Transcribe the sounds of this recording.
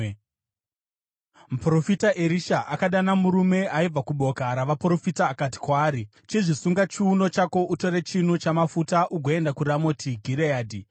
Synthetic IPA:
m̩pro̞fitaʔeɾiʃaʔakaɗanamuɾume̞aib͡vakuɓo̞kaɾaʋapro̞fitaːkati̥kwaːɾi | t͡ʃiʐisuŋɡat͡ʃiuno̞t͡ʃako̞ʔuto̞ɾe̞t͡ʃinut͡ʃamafutaʔuɡʱoe̞ndakuɾamotiɡʱiɾeaːdʱi

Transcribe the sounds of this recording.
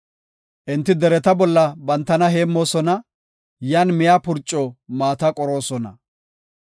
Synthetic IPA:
ʔɪnt̪ːɪd̪ɛɾɛt̪ɐbɔlːɐbɐnt̪ːɐnɐɦe̞ːmːo̞ːsɔnɐ | jaːnmɪjaːpʊɾt͡ʃʼːɔmaːt̪ɐkʼɔɾo̞ːsɔnɐ̰

